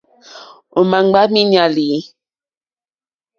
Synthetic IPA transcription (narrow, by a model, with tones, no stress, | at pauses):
o˨ma˨ŋ˦ɡ͡ba˦mi˦ɲa˨li˨˦